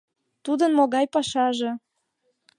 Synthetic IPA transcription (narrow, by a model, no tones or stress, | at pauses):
t̪ud̪ənmoɣɑjpɑʃɑʒe